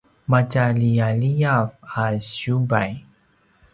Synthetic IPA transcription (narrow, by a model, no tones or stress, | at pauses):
mat͡ʃalijalijafaɕubaj